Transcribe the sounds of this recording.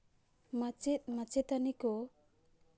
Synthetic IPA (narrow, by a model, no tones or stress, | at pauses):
mat͡ʃit̪̚mat͡ʃɛt̪anikɔ